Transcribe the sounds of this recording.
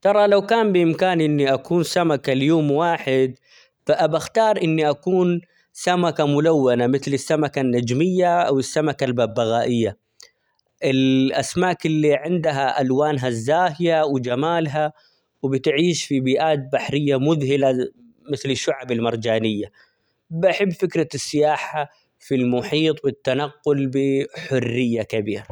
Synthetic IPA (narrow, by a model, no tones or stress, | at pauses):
t̪ɑɾˤɑlawkaːmbɪʔɪmkaːnʔɪnːiʔakuːnsamakaljoːmwaːħɪd̪ | faʔabaxt̪ɑːɾˤʔɪnːiʔakuːn | samakamʊlawːanamɪθlɪsːamakanːad͡ʒmɪjːaʔawɪsːamakalbabːaɣaːʔɪjːa | ʔɪlʔasmaːkɪlːiʕɪnd̪ɦaʔalwaːnɦazːaːhɪjawd͡ʒamaːlɦa | wɪbɪt̪ʕiːʃfibiːʔaːt̪̚baħɾɪjːamʊðhɪla | mɪθlɪʃːʊʕabɪlmɑɾˤd͡ʒaːnɪjːa | baħɪbːfɪkɾɑsːɪjaːħa | filmʊħiːt̪ˤwɪt̪ːanaqːʊlbɪħʊrːɪjːakabiːɾa